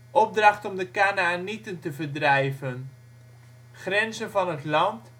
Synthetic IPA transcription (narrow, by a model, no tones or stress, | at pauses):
ʔɔp̚drɑχtɔmdəkaːnaːnitəntəvərdrɛjvən | χrɛnzənvɑnɦətlɑnt